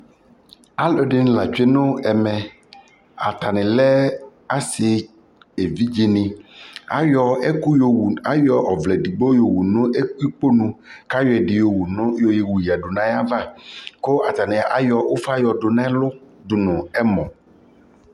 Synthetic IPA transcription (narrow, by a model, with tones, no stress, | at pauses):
a˦lo˨ɖɪ˨ñ˨la˨t͡ʃe˦nʊ̃˦ɛ˨mɛ˨ | a̰˨t̪a˨nɪ̃˨lɛ˦a˦sɪ˨ | e˨vi˦d͡ʒi˦nɪ̃˨a̰˨˦jɔ˦ɛ˦ku˦ja˦jɔ˦ʔɔ˨vlɛ˨di˨bo˦jo˨wu˨nʊ̃˦e˦ku˦i˦k͡po˦nũ˦ka˦jɔ˨˦ɛ˨ɖɪ˨jo˨wu˨n˦jo˨je˨wu˨ji˨a˨ɖo˨nã˦ja˦va˦ko˦ʔa˨t̪a˨nɪ̃˨ʔa˦jɔ˨o˦fa˦jɔ˨ɖʊ˨nã˦lʊ˦ɖʊ˨nʊ̃˨ɛ˦mɔ̃˨